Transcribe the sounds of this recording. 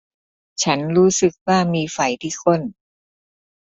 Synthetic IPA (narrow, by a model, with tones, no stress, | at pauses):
t͡ɕʰa˦˥nɾuː˦˥sɯ˨˩k̚waː˥˩miː˧fa˨˩jt̪ʰiː˥˩kʰo˥˩n